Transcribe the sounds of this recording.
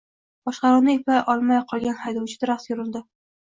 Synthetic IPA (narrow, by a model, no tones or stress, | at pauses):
bɒʃqɑɾuwnɪjepʰajʔɒlˠmajqʰɒlˠɡʲanhajd̪ɒwt͡ʃʰɪd̪ɪɾaχsjʊɾɪld̪ɪ